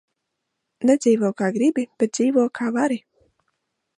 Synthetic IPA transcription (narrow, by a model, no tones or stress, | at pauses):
ned̪ziːvɔːwkaːɡɾibib̥ɛt̪̚ziːvɔɔkʰaːvaɾi